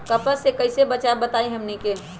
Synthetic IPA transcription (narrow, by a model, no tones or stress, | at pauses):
kəpəsekəɪsebət͡ʃabət̪aiɦəmnike